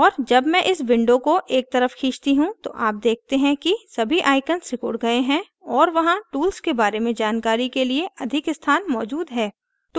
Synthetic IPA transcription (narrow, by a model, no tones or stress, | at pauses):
ɔːɾd͡ʒɐbmɛ̃ʔɪsʋɪ̃ɳɖõkoʔeːk̚t̪ɐɾəfkʰĩːt͡ʃt̪iɦũt̪o̰ʔaːp̚d̪eːk̚ʰt̪eɦɛ̃kisɐbʱiʔaːɪkənsɪkʊɽɡɐeɦɛ̃ | ɔːɾʋɐɦãʈuːlskebaːɾemẽd͡ʒaːnkaːɾikelieɐd̪ʱɪkɪst̪ʰaːnmɔːd͡ʒuːd̪ɦɛː | t̪oː